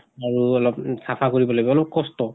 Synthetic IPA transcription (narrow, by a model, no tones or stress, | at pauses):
aɹuɔlɔpsapʰakoɹibɔlobɛɔlɔp̚kɔstɔ